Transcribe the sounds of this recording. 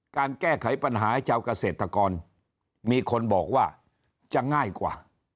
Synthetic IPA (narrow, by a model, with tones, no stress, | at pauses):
kaː˧nkɛː˥˩kʰa˩˦jpa˧nɦaː˩˦t͡ɕʰaː˧wka˧seː˨˩t̪ʰːɾa˧kɔː˧n | miː˧kʰo˧nbɔː˨˩k̚waː˥˩ | t͡ɕa˨˩ŋaː˥˩jkwa̰ː˨˩